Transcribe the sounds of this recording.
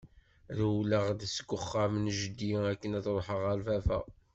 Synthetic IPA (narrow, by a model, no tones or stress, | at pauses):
ðwləʁd̪əsəɡʊχːæmnʒəd̪iækːənæθɾˤħəʁæɾvæfæ̰